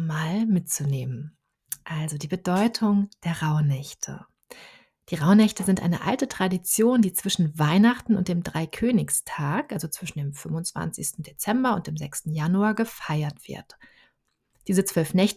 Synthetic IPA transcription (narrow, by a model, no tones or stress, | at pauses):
maːlmɪt̚t͡suneːmən | ʔalzodiːbədɔʏtʰʊŋd̥eːɐʁaʊnɛçtʰə̰ | d̥iːʁaʊnɛçtəzɪntʔa̰ɪnəʔa̰ltətʁ̥adit͡sjoːndiːt͡sv̥ɪʃn̩vaɪnaχtn̩ʊntd̥eːmdʁaɪkʰøːnɪçstʰaːkʔalzot͡sv̥ɪʃn̩deːmfʏmʊnt͡sv̥a̰nt͡sɪçstn̩det͡sɛmbɐʊnt̚d̥eːmzɛkstn̩januaɡəfaɪɐtv̥ɪ̰ɐt | d̥iːzət͡sv̥œlfnɛçtə